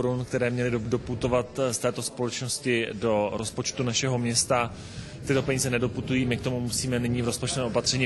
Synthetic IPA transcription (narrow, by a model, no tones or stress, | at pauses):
oɾunkt̪ɛɾɛːmɲɛlɪdo̞put̪o̞vat̪st̪ɛːt̪o̞spo̞lɛt͡ʃno̞scɪdo̞ɾo̞spo̞t͡ʃt̪unaʃɛɦo̞mɲɛst̪a | t̪ɪt̪o̞pɛɲiːzɛnɛdo̞put̪ujiːmɪk̚t̪o̞mumusiːmɛnɪɲiːvɾo̞spot͡ʃt̪ovɛːo̞pat̪r̝̥ɛɲiː